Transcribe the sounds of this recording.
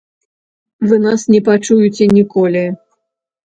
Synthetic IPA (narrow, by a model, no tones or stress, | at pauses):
vɨnasnʲɛpat͡ʂujut͡sʲɛnʲikɔlʲi